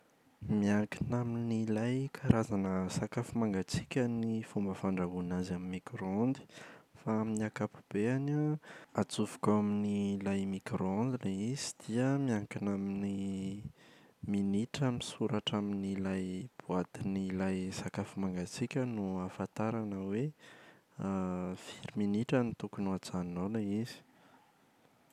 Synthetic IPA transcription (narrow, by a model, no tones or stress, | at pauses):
miaŋkinaminilajkʰaɾazanəsakafumaŋɡat͡si̥kʲənifumbəfaɳɖ͡ʐaɦunazaminmːikɾoond̪i̥faaminiakapu̥b̥eanaat͡sufu̥kaminilajmikɾoond̪ileizi̥d̪̥iəmiaŋkinamini | miniʈ͡ʂəmisuɾaʈ͡ʂaminilajb̥uat̪inilajsakafumaŋɡat͡sikʲənuafat̪aɾanəwe | fiɾiminiʈ͡ʂənit̪ukunuat͡sannoleiz̥i̥